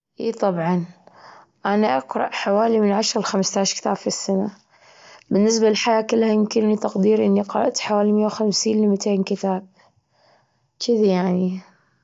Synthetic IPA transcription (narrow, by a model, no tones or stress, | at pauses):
ʔiːt̪ˤɑbʕɑn | ʔanaʔɑqɾˤɑ̰ʔħawaːlimɪnʕaʃɾˤlxamst̪aːʃkt̪a̰ːb̥fisːana | bɪnːɪs̬balɪlħajaːkɪlːhajɪmkɪnnit̪ɑqd̪iːɾʔɪnːiqɑɾɑ̰ʔt̪ħawaːlimɪjːawxamsiːnlɪmt̪ʰeːnkɪt̪aːb̚ | t͡ʃɪðajaʕni